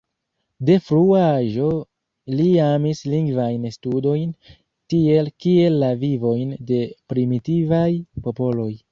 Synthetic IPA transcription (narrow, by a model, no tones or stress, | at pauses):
de̞fɾuaʒo̞ | liamisliŋɡvajnstudo̞jn | tie̞lkie̞lːavivo̞jnde̞pɾimitivajpo̞po̞lo̞j